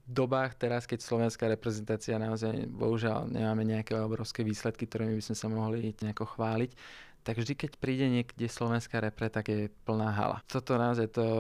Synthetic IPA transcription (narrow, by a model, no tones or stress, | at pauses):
vd̪ɔbaːxt̪ɛɾaskɛcslɔʋɛnskaːɾɛpɾɛzɛnt̪aːt͡sianaɔzajbɔ̰ɦuʒɪa̰lɲɛ̰maːmɛɲɛakɛɔbɾɔʊskɛːʋiːslɛt̪kik̚t̪ɔɾɛːmibizmɛsamɔɦliɲɛakɔxʋaːlic | t̪aɡvʒd̪ikɛcpɾiːɟɛɲɪɛkɟɛslɔʋɛnskaːɾɛpɾɛt̪aɡjɛpl̩naːɦa̰la̰t̪ɔt̪ɔnaɔzajt̪ɔ